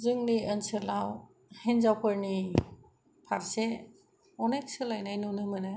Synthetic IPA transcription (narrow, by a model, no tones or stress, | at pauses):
zɯŋniənsɯlaw | henzawpʰɯɾni | pʰaɾse | ɔnek̚sɯlajnajnunɯmɯnɯ